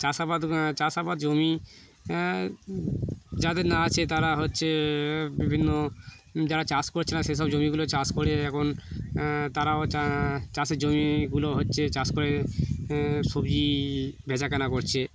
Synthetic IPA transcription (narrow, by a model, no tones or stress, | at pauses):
t͡ɕasapad̪t͡ɕasapad̪d͡ʑomi | d͡ʑad̪eɾnaat͡ɕʰet̪aɾaɦotːɕʰebibʱinːo | d͡ʑaɾat͡ɕaskoɾt͡ɕʰenaʃeʃɔbd͡ʑomiɡulot͡ɕaskoɾeɛkʰon | t̪aɾaoat͡ɕaseɾd͡ʑomiɡuloɦotːɕʰet͡ɕaskoɾe | ʃobd͡ʑibʱɛd͡ʑakanakoɾt͡ɕʰe